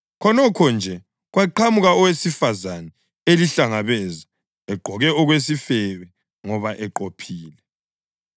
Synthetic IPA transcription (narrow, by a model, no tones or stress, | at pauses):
kʰɔnɔkʰɔnd͡ʒʱɛ | ɣwaǃʰamuɣaɔwesifazanɛ | eliɬaŋaβɛza | ɛɡ͡ǃʱɔɣɛɔɣwesifɛβɛ | ŋɔβaʔɛǃopʰiːlɛ